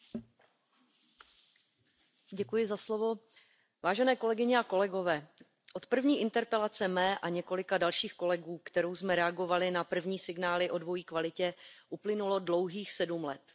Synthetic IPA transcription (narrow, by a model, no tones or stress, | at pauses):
ɟɛkujɪzaslo̞vo̞ | vaːʒɛnɛːko̞lɛɡɪɲɛako̞lɛɡo̞vɛː | ʔo̞t̪pr̩vɲiːʔɪnt̪ɛɾpɛlat͡sɛmɛːʔaɲɛko̞lɪkadalʃiːxko̞lɛɡuːkt̪ɛɾowsmɛɾɛaɡo̞valɪnapr̩vɲiːsɪɡnaːlɪʔo̞dvo̞jiːkvalɪcɛʔuplɪnulo̞dlowɦiːxsɛdumlɛt̪